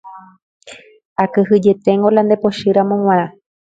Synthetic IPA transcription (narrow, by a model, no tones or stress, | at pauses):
akɨɦɨd͡ʒe̞t̪eŋɡoland̪epo̞ʃɨɾamõŋ̃ʷãɾã